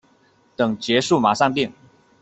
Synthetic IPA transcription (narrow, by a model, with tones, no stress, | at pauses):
t̪ɤ˨˩ŋt͡ɕjɛ˨˧˦ʂu˥˨ma˨˩ʂɑ˥˧ŋp̪i˥˩ŋ